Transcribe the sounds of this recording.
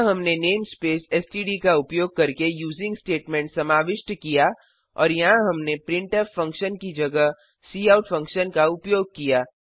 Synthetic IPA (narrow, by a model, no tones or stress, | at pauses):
ɦɐmneneːmspeːsɛsʈiːɖikaʊpjoːɡ̚kɐɾkejuːzɪ̃ŋɡsʈeːʈmɛ̃ːɳʈsɐmaːʋɪʃʈkija | ɔ̰ːɾjɐɦãɦɐmnepɾɪ̃ɳʈəpfɐ̃ŋkʃənkid͡ʒɐɡəɦ | siːaːʊʈfɐ̃ŋkʃənkaʊpjoːɡ̚kijaː